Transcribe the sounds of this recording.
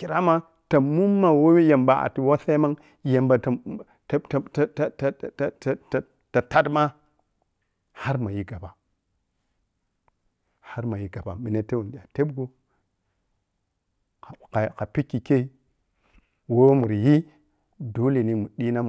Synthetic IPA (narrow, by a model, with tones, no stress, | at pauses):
ki˨ɾa˦ma˦ | ta˨mu˦mːa˨wo˦ja˨mba˨a̰˨ti˨wa˦sa˦ma˦ŋ | je˨mba˨ta˨ | tta˨ta˦ta˨tta˨ | ta˨ta˦dma˦ | ha˦ɾma˨ji˨ɡa˨ba˨ | ha˦ɾma˨ji˨ɡa˨ba̰˨mi˨ne˦te˦wu˨ndi˨ja˨te˦bɡu˦˨ | ka˨ka˨pi˦kːi˨ke˦i˦ | wo˦mu˨ɾji˦ | do˦le˨ni˨mu˨ɗi˦na˦m˨